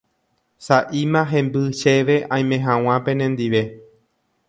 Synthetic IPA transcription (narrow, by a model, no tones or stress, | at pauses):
saʔimãɦẽ̞mbɨʃeʋe̞ʔãj̃mẽɦãw̃ãpẽ̞nẽnd̪iʋe̞